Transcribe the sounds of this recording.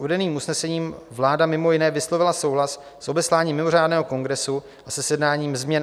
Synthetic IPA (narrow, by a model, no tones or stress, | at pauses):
uvɛdɛniːmusnɛsɛɲiːmvlaːdamɪmo̞jɪnɛːvɪslovɪlaso̞wɦlas | sʔo̞bɛslaːɲiːmːɪmo̞r̝aːdnɛːɦoko̞ŋɡɾɛsu | ʔasɛsjɛdnaːɲiːmzmɲɛn